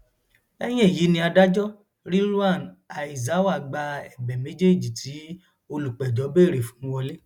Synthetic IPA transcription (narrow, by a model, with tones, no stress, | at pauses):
ɛ˦j̃ɛ̃˦e˦˨ji˨˦nĩ˧a˧da˦d͡ʒɔ˦ | ɾi˦ɾu˦a˦˨na˨i˨za˨˦wa˦˨ɡ͡ba˧ɛ˨bɛ˨mẽ˨˦d͡ʒe˦˨d͡ʒi˨tʰi˨˦ | o˧lu˨k͡pɛ˨d͡ʒɔ˨˦beː˦˨ɾe˨fũ˨˦wɔ˧le˦